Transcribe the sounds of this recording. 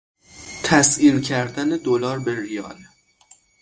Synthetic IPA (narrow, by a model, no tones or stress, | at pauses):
t̪ʰæsiːlcʰæɾd̪æned̪olɒːɾbeɾijɒːl